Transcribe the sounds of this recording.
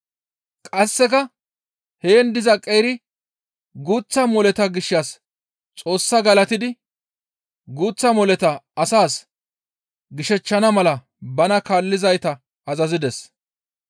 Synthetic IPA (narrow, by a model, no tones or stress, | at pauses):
kʼɐsːɛkɐ | heːnd̪ɪzɐkʼːejːɾɪ | ɡuːt͡sːɐmɔlɛt̪ɐɡɪʃːas | t͡sʼo̞ːsːɐɡɐlɐt̪ɪd̪ɪ | ɡuːt͡sːɐmɔlɛt̪ɐɐsaːs | ɡɪʃɛt͡ʃːɐnɐmɐlɐ | bɐnɐkaːlːɪzɐjt̪ɐ | ɐzɐzɪd̪ɛs